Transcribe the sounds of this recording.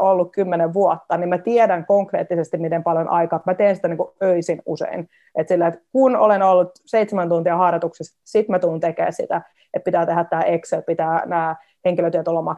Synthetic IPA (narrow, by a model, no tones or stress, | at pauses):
olːukkymːeneʋʋuot̪ːɑnimmæt̪iɛdæŋkoŋkreːt̪ːisest̪immit̪empɑljonʔɑikɑːt̪mæt̪eːnsi̥t̪æniːŋkuøisinusḛin | et̪silːæet̪kuno̰lenolːut̪seit̪semænt̪unt̪iɑhɑrɑt̪uksissit̪mæt̪uːnt̪ekḛːssḭt̪æ | et̪̚pit̪æːt̪ehæt̪t̪æːʔekselpit̪æːnæː | heŋkiløt̪yøt̪olːɑmɑ